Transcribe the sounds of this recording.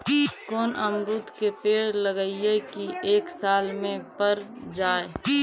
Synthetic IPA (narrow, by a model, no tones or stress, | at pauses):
koːnəmɾut̪kepeːɽləɡəiekiʔeːksaːlmẽpəɾd͡ʒaːe